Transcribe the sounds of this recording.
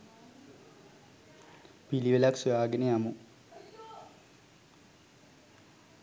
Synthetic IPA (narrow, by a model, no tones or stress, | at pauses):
piliʋelaksujaːɡeneamu